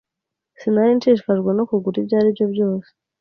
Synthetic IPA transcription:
sinaɾint͡ʃiʃfaʒɡwenokuɡuɾibɟaːɾibjo̞bjo̞ːse̥

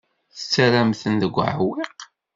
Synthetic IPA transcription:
θə̥t͡sːæɾæmθənðəɡʷːʕəwiq

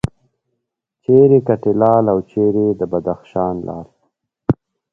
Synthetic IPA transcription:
t͡ʃeɾekaʈelɑːlawt͡ʃeɾed̪əbad̪axʃɑːnlʔɑ̰ːl

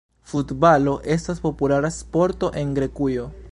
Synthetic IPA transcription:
futbalo̞ʔe̞staspo̞pulaɾaspo̞ɾto̞ʔe̞ŋɡɾe̞kujo̞

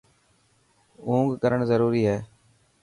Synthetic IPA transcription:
ũːŋɡkəɾəɳzəɾuːɾiːɦɛː

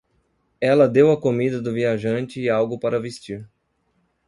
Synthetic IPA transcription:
ɛlɐd̪ewɐkomid̪ɐd̪ʊviaʒɐ̃nt͡ʃɪːawɡʊpaɾɐvest͡ʃiɾ

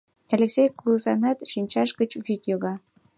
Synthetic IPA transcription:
ælʲeksejkulzɑnɑt̪ʃinʲt͡ɕɑʃɡət͡ɕvyt̪joɣɑ

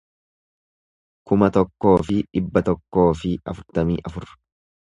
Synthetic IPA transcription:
kʊmɐt̪ɔkːo̞ːfɪᶑɪbːɐt̪ɔkːo̞ːfɪɐ̰fʊɾt̪ɐmḭːʔɐfʊɾ

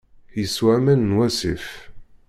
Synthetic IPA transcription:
jəswæmænnwæsḭf

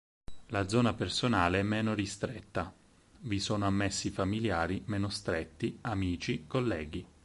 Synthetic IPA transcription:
lad̪zɔːnapersonaːleɛmːɛːnoɾist̪ɾɛt̪ːa | visoːnoamːesːifamiljaːɾimɛːnost̪ɾet̪ːiamiːt͡ʃikolːɛːɡi

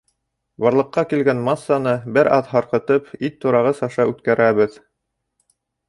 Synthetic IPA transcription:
bɑɾlˠɤ̆qːɑkilɡænmɑsːɑnɤbɘɾʔɑðɦɑɾqɤ̆t̪ɤpit̪ːuɾɑʁɤsɑʃɑʉt̪kæɾʔæβɘð

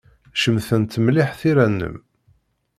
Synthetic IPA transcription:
ʃəmθənt̪ːmliħθiɾænːə̰m

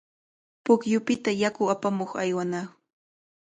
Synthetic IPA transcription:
pʊkjʊpɪt̪ajakʊapamoχa̰jwanaː

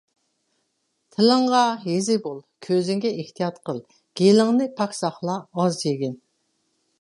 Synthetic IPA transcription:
t̪ʰɪlɨɴʁɑɦezɪbolˠkʲʰøzɪŋɡʲɛʔeht̪ʰijɑt̪qʰəlˠ | ɡ̥ʲelɪŋnɨpʰɑksɑχlˠɑɑzjʰeɡʲin

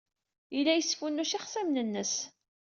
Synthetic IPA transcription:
ilːæjəsːfunːuʃiχsæmnənːəs

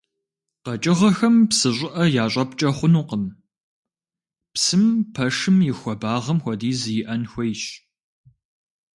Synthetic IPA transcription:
qɐt͡ʃʼɪʁɐxɐmpsɨɕʷʼɪʔɐjaːɕʼɐpt͡ʃʼɐχʷʊnuːqəm | psɨmpʰɐʂɨmjɪxʷɔbaːʁɐmxʷɔdiːzɨjɪʔɐnxʷejɕ

